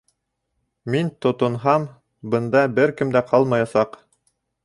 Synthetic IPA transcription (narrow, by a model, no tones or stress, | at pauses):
mint̪ŏt̪ŏnɦɑm | bɤ̆nd̪ɑbɘɾkɘmd̪æqʰɑlˠmɑjɑsɑq